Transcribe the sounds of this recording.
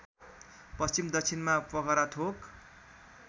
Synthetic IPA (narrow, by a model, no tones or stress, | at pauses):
pʌst͡ɕimd̪ʌkt͡sʰinmapʌkʌɾaʈʰok